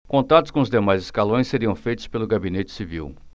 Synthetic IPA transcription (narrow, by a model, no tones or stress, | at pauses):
kõnt̪ad̪ʊ̥skõʊzd̪emajzɪskalõj̃seɾiɐ̃w̃fejt̪ʊspelʊɡabinet͡ʃɪ̥sivḭw